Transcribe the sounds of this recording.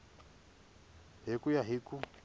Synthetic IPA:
ɦekʼʊjaɦeːku

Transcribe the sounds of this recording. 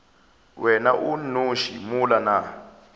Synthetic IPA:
wɛnaʔunuʃḭmulana

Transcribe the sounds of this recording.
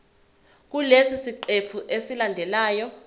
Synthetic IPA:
k̬ulesisiǃepʰuʔesilandʱɛlaːjɔ

